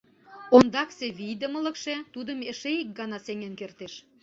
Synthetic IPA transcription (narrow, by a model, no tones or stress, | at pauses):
ond̪ɑkseβijd̪əmələ̆kʃet̪ud̪ə̆meʃeik̚ɡɑnɑseŋenkert̪eʃ